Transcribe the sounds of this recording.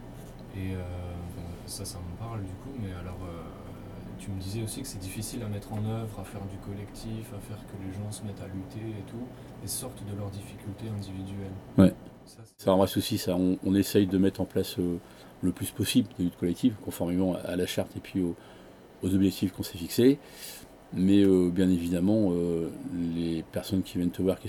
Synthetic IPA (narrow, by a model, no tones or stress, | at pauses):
eøbɔ̃ | sasamɑ̃paʁld̪ykumɛalɔʁø | t̪yməd̪izɛosikə̥sɛd̪ifisilamɛt̪χɑ̃nœvʁafɛʁd̪ykɔlɛkt̪ʰifafɛʁkəleʒɑ̃səmɛt̪alyt̪eet̪ʰu | esɔʁt̪d̪əlœʁd̪ifikʲylt̪eɛ̃d̪ivid̪yɛlwɛ | sa | saɑ̃bʁɛsusisaɔ̃ʔɔ̃nesɛjd̪əmɛt̪χɑ̃plasø | ləplyspɔsibld̪elyt̪kɔlɛk̚t̪ivkɔ̃fɔʁmemɑ̃aa̰laʃaʁt̪epʰɥio | ozɔbʒɛk̚t̪ʰifkɔ̃sɛfikse | mɛøbjɛ̃nevid̪amɑ̃ø | lepɛʁsɔnkʲivjɛnt̪əvwaʁkʲi